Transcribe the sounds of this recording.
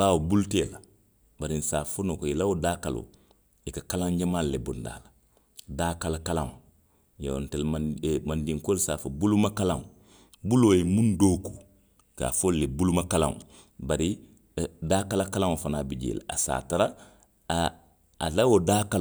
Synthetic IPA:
awobulteːla | baɾinsaːfonokoilawodaːkalo̰ | ikakalãŋd͡ʒamallebonda̰ːla | daːkalakalãŋ | ja̰ntelamandĩŋkoɾisaːfobulumakalã̰ŋ | bulojimũndoku | ka̰ːfolːebulumakalã̰ŋ̰ | baɾi | daːkalakalãŋfanaːbid͡ʒḛːla̰asa̰ːtaɾa | lawodaːkal

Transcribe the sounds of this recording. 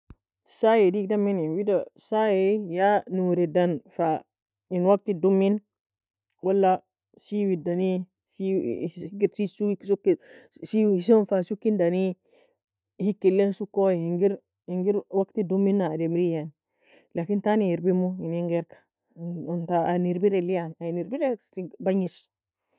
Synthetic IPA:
sajedikdamininwidasajejanuwuɾidanfa | inwak̚tidumːin | walːa | siwidani | siɡiɾsisusukːisisonfasukːindani | hikːilːensukːoiŋɡiɾ | iŋɡiɾwaktidumːinːademɾijan | lakintanijiɾbimuiniŋɡeɾkḁ | ontaaniɾbiɾelijananiɾbiɾesibaɲis

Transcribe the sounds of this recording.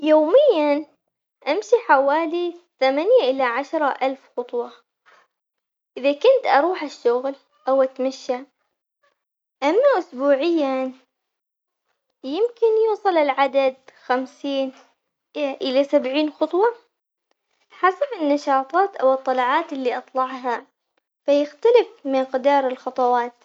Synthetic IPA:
joːmɪjːan | ʔamʃiħawaːliθamanjaʔɪlaʕaʃɾˤɑʔalfxʊt̪ˤwɑ | ʔɪðakʊnt̪ʔɑɾˤuːħɪʃːʊɣl | ʔawʔat̪maʃːa | ʔamːaʔʊsbuːʕɪjːan | jɪmkɪnjuːsˤɨlɪlʕad̪ad̪xamsiːn | ʔɪlasabʕiːnxʊt̪ˤwɑ | ħasabɪnːɑʃɑːt̪ˤɑːt̪ʔa̰wɨt̪ˤːɑlɑʕɑːt̪ɪlːiʔɑt̪ˤlɑʕɦa | fajɪxt̪alɪfmɪqd̪ɑːɾˤɪlxɑt̪ˤɑwɑːt̪

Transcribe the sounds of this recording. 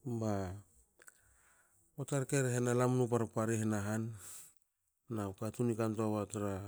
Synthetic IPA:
ba | otaɾkeɾeɦenalamnup̬aɾapaɾeɦenaɦan | aukatunikantaβataɾa

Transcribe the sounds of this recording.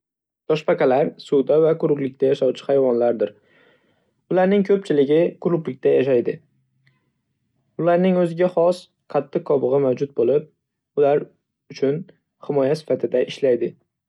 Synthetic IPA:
t̪ʰɒʃpɑqɑlaɾsʊd̪avakʰʊɾʊklɪk̚ʲt̪ʰajaʃɒwt͡ʃʰɪ̥hajvɒnlaɾd̪ɪɾ | ʊlaɾnɪŋkʰɵp̚t͡ʃʰɪlɪɡʲɪkʰʊɾʊplɪkʲt̪ajaʃajd̪ɪ | ʊlaɾnɪŋɵzɪɡʲaχɒs | qʰɑt̪ʰːɨqkʰːɒbɨʁɨmawd͡ʒʊt̪̚bolɪp̚ | ʊlaɾ | ʊt͡ʃʰʊn | hɪmɒjasɪ̥fat̪ʰɪd̪aʔɪʃlajd̪ɪ

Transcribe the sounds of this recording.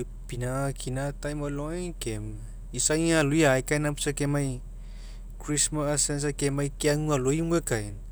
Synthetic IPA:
pinakʰinat̪ajmaloajkem | isajaluiajkajnampu̥sakemaj | kɾismasens̬akemajkeaŋualoimuekajn

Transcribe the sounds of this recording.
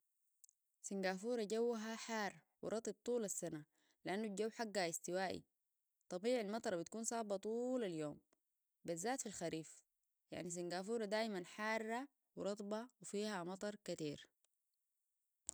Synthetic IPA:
siŋɡaːfuːɾˤaɟawːaɦaħaːɾˤ | wḭɾˤɑt̪ˤib̚t̪ˤuːlasːana | liʔanːuɟawːħaɡːaist̪iwaːʔḭ | t̪ˤɑbiːʕilmɑt̪ˤɑɾˤbit̪kuːnsˤɑːbɑt̪ˤuːlaljoːm | bazːaːt̪filxaɾiːf | ja̰ʕnis̬iŋɡaːfuːɾˤad̪aːʔmanħaːrˤːa | wiɾˤɑt̪ˤbɑwifiːhamɑt̪ˤɑɾˤkat̪iːɾ

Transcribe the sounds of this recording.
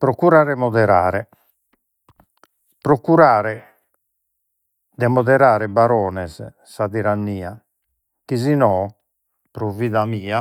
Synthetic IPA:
pɾɔkuɾaːɾɛmɔðɛɾa̰ːɾɛ | pɾɔkuɾaːɾɛ | d̪ɛmɔðɛɾaːɾɛbaɾɔːnɛz | saðiɾanːiːa | kizinɔː | pɾɔviːðamiːa

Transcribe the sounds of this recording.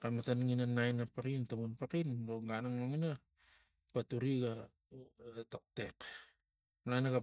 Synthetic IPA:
kamatanŋinanajnapakintamunpakindoɡanaŋnoŋina | patuɾiɡa | tok̚te̞k | najnaɡa

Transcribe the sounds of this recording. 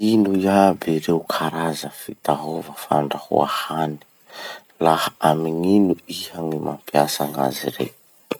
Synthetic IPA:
inujabeɾeukʰaɾazəfit̪aɦovəfa̰ɳɖ͡ʐahṵa̰hani̥ | lahəamiŋinuihaŋima̰mpiasaŋa̰ziɾḛ

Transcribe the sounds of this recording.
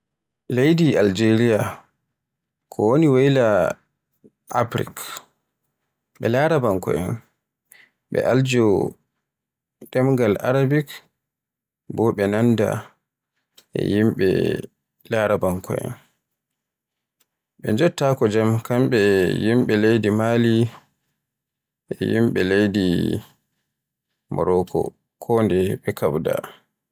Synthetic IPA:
lejdiald͡ʒeɾia | kʰɔwoniwejla | ʔapɾḭk | ɓɛlaɾabaŋkɔ̰ʔɛ̰n | ɓɛ̰ʔald͡ʒɔ | ɗɛmɡala̰ɾabik | bɔɓɛnanda̰ | ʔɛ̰jimɓɛ̰ | laɾabaŋkɔ̰ɛ̰n | ɓɛd͡ʒɔtːakɔd͡ʒamkamɓɛjimɓɛlejdimaːli | ʔɛjimɓɛlejdi | mɔ̰ɾɔkʰɔ̰ | kʰɔndɛɓɛkʰawda̰

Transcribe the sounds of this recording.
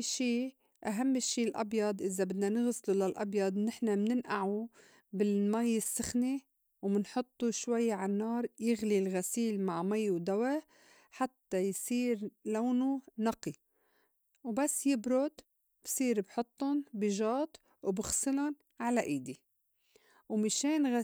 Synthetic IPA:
ʃiː | ʔaɦamːɪʃːiːlʔɑ̰bjɑd̪ˤʔɪzabɪd̪nanɪɣslulalʔɑ̰bjɑd̪ˤnɪħnamnɪnʔaʕu | bɪlmajːɪsːɪxni | wmɪnħʊt̪ˤːuʃwajːʕanːɑːɾˤjɪɣlilɣasiːlmaʕmajwd̪awa | ħat̪ːajsiːɾlaːnunɑqi | wbasːjɪbɾʊd̪ | b̥sˤiːɾbħʊt̪ˤːʊnbiʒɑːt̪ˤ | wbɪxsɨlʊn | ʕalaʔiːd̪i | wmɪʃeːnɣa

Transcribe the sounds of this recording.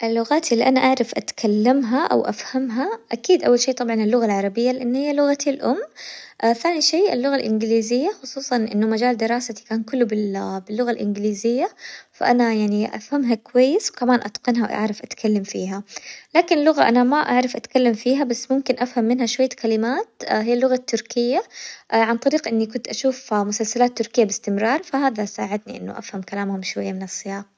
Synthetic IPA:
ʔɪlːʊɣaːt̪ʔɪlːiʔanaʔaʕɾˤɑfʔat̪kʰalːamɦaʔa̰wʔa̰fhamɦaʔakiːd̪ʔawːalʃiːt̪ˤɑbʕɑnɪlːʊɣalʕɑɾˤɑbɪjːalɪʔanːhɪjːalʊɣat̪ʰilʔʊmːθaːniʃiːʔɪ̰lːʊɣalʔɪ̰nɡliːzɪjːaxʊsˤuːsˤɑnʔɪ̰nːʊmad͡ʒaːld̪ɪɾɑːsat̪i̥kaːnkʊlːubɪbɪlːʊɣalʔɪ̰nɡɪliːzɪjːafa̰ʔanajaʕniʔa̰fhamɦakwajːɪswkamaːnʔa̰t̪qɑnɦawʔa̰ʕɾˤɑfʔat̪kʰalːamfiːɦalaːkɪnɪlːʊɣa̰ʔanamaʔaʕɾˤɑfʔat̪kalːamfiːɦabasːmʊmkɪnʔafhamːɪnhaʃwajːakalɪmaːt̪hɪjːalːʊɣat̪ːʊɾkɪjːaʕant̪ˤɑɾiːqʔɪnːikʊnt̪ʔaʃuːfmʊsalsalaːt̪ːʊɾkɪjːabɪst̪ɪmɾˤɑːɾˤfaɦaːðasaːʕɪd̪niʔɪ̰nːʊ̰ʔa̰fhamkalaːmhʊmʃwajːamɪnɑsˤːɨjɑːɣ

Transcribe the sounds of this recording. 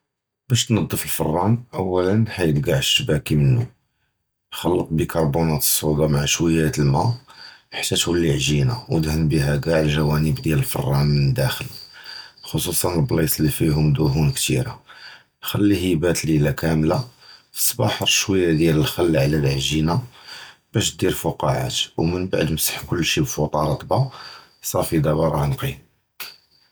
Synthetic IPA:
bæʃt̪nɑd̪ˤːəfəlfə̰rˤːɑnʔæwːælənħajət̪ɡaʕʃbækimənːu | xɑlːət̪̚ˤbikʰɑɾˤbunæt̪ə̥sˤːud̪ɑmaʕaʃwəjːæt̪əlmæħt̪ːæt̪hulːiʕʒina̰wd̪həmbiɦæɡaʕəlʒæwænəbd̪jæləlfɑ̰rˤːɑnmənəd̪ːæxəl | xosˤusˤɑnəlblisˤlːifiɦʊmd̪ʊɦunkt̪ḭɾa̰ | xælːihibæt̪lilækæmlafə̥sˤːbɑħəɾˤʃwæjːæd̪jæləlxælːʕlælʕʒina | b̥æʃd̪iɾfuqɑʕa̰t̪wmənba̰ʕd̪məsə̥ħkʊlːʃibfut̪ˤɑɾˤɑt̪ˤbɑ | sˤɑɾˤfid̪æbɑɾˤɑʕnqi

